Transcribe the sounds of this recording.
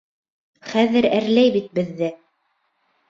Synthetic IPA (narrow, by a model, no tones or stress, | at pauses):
χæðɘɾæɾlæjbit̪̚bɘ̆ðːɘ